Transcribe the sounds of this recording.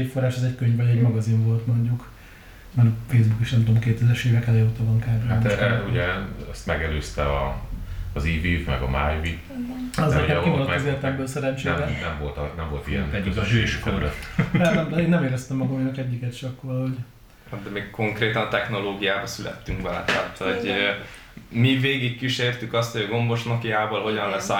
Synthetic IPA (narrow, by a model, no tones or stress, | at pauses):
cfo̞rːaːʃɒzɛckøɲvɒɟɛɟmɒɡɒziɱvo̞lt̪moɲɟuk | mɛnfeːjzbukiʃnɛmt̪oomkeːt̪ɛzɛɾʃeːvɛkɛleːut̪ɒvɒŋkaːɾeamoɛʃɾɛuɟɛɛst̪mɛɡɛløːst̪ɛɒː | ziːvivmɛ̰ɡɒ̰ma̰ːjvi | ɒzɛokivɔnmɒzeːlt̪ɛmbøːlsɛɾɛɲt͡ʃeɛmɛnɛɱvo̞lt̪ɒnɛɱvo̞lt̪ḭɛ̰nɛyeʃɛkɛmløt̪ːɛmd̪ɛeːnːɛmeːɾɛst̪ɛmːɒɡɒminɛkɛɟːikɛt̪i̥ʃɒkːoɒlɦo̞ɟ | had̪ɛmeːkko̞ŋkreːt̪ɒnɒt̪ɛxno̞loːɡijaːbɒsylɛ̰t̪ːyŋkʋɛlɛ̰t̪aːt̪hoɟ | miveːɡikːiʃeːrt̪ykɒst̪hojɒɡo̞mbo̞ʃnokijaːboːlɦo̞ɟɒnlɛsɔ